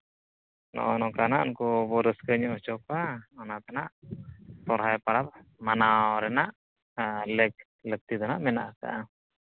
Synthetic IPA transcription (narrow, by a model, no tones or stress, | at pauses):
nɔ̰ʔɔnɔkanaʔɔnkɔbɔɾəskəɲɔʔt͡ʃɔkaɔnat̪anaʔt̪ɔɾɦajpaɽap̚manaɾɛnaʔ | lɛk̚ | lək̚t̪id̪ɔnaʔmɛnaʔka̰ʔa